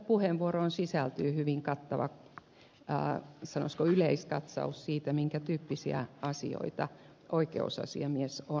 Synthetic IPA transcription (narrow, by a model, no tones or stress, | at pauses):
puheʋʋuoɾoːnsisælt̪yːhyʋiŋkɑt̪ːɑʋɑ̰ | sɑno̰skoyleiskɑt̪sɑ̰ussiːt̪æmiŋkæt̪yːpːisiæ̰ɑsḭo̰it̪ɑ | ʔoikḛusɑ̰sḭɑmieso